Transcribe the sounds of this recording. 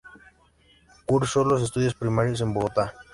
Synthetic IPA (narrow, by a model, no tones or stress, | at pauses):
kuɾsolos̬es̬t̪uðjospɾimaɾjos̬e̞mboɣot̪a